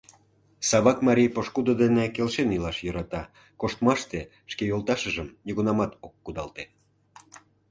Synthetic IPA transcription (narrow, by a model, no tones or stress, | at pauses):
sɑβɑkmɑɾʲijpoʃkud̪od̪enekelʃenilɑʃjɤɾɑt̪ɑ | koʃt̪mɑʃt̪e | ʃkejolˠt̪ɑʃəʒəmnʲiɣunɑmɑt̪okːud̪ɑlt̪e